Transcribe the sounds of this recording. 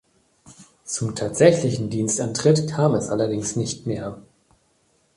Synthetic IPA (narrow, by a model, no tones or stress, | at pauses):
t͡sʊmtʰaːtz̥ɛçlɪçn̩diːnstʔantʁ̥ɪtkʰaːmɛsʔalɐdɪŋsnɪçtmeːɐ